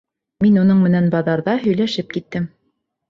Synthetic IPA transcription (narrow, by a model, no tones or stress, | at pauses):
minunɤɴmɘ̆nænbɑðɑɾðɑɦɵ̆jlæʃɘp̚kit̪ːɘm